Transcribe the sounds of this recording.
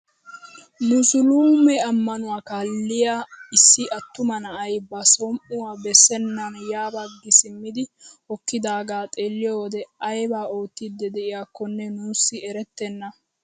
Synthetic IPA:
nusʊluːmɛɐmːɐnʊwaːkaːlːɪjaːɪsːɪʔɐt̪ːʊmɐnɐʔɐjbɐsɔmʔʊwabɛsːɛnːɐnjaːbɐɡːɪsɪmːɪd̪ɪhɔkːɪd̪aːɡaːt̪ʼeːlːɪjoːd̪ɛɐjbaːoːt̪ːid̪ːɛd̪ɛʔɪjaːkːɔnːɛnuːsːɪɛɾɛt̪ːɛnːɐ

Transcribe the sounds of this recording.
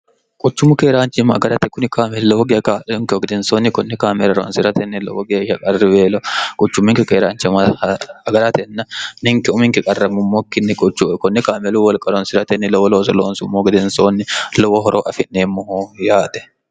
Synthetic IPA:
kʼʊt͡ʃːʊmʊkeːɾaːnt͡ʃːɪmɐɐ̰ɡɐɾɐt̪ɛkʊnɪkaːmɛllɔwɔɡɐkaːʔɛʊŋkɛɔɡɪd̪ɛnsoːnːɪkɔnːɪkaːmɛɾɐɾɔ̰nsɪɾɐt̪ɛnːɪlɔ̰wɔɡeːʃɐkʼɐrːɪbeːlɔkʼʊt͡ʃːʊmːɪŋkɪkeːɾaːnt͡ʃmɐɐɡɐɾɐt̪ɛnːɐnɪŋkɛʊmɪŋkɛkʼɐrːɐmʊmːoːkːɪnːɪkʼʊt͡ʃːʊkɔnːɪkaːmɛluːwɔlkʼɐɾɔnsɪɾɐt̪ɛnːɪlɔwɔloːsɐloːnsʊmːoːɡɪd̪ɛnsoːnːɪlɔwɔɦɔɾʔoːʔɐfɪnːeːmːɔhoːjaːt̪ɛ̥

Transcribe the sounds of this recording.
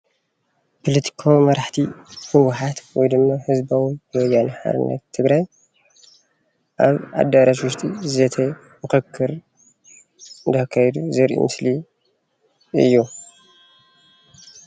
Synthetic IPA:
pʰolɐt̪ʰi̥kʰawimɐɾaħt̪ʰihɨwuħat̪wɔjd̪ɨmːahɨzbawijɨwɔjːanħa̰ɾɨ̰nːɐ̰t̪ʰːɨɡɾaj | ʔaβʔa̰d̪aɾaʃwuʃt̪ʰʼizet̪ʰɐ | mɨkɨkʰːɨɾ | ɨnd̪akʰːajɛd̪uzɨɾʔḭmɨsli | ɨjːu

